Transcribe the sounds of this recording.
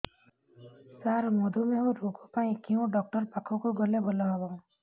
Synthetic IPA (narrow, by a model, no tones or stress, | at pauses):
saɾmɔd̪ʱumeɦũɾokʰupaĩkeũɖɔk̚ʈɔɾpakʰɔkuɡɔlebɔlɔɦɔbɔŋ